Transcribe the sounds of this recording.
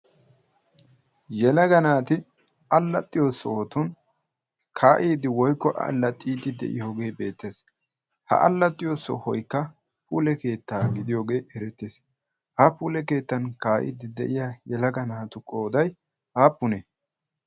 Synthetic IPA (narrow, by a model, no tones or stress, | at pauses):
jɛlɐɡɐnaːt̪ɪ | ɐlːɐt̪ʼːɪjoːsːɔoːt̪ʊn | kʰaːʔiːd̪ɪwɔjkːɔʔɐ̰lːɐt̪ʼːiːd̪ɪd̪ɛ̰ʔɪ̰jo̞ːɡe̞ːbe̞ːt̪ːe̞ːs | hɐ̰ʔɐ̰lːɐt̪ʼːɪjoːsːɔ̰hɔjkːɐ | puːlɛke̞ːt̪ːaːɡɪd̪ɪjo̞ːɡe̞ːɛɾɛt̪ːeːs | hɐpuːlɛke̞ːt̪ːɐnkaːʔḭːd̪ɪd̪ɛ̰ʔɪjajɛlɐɡɐnaːt̪ʊkʼo̞ːd̪ɐj | haːpːʊnɛ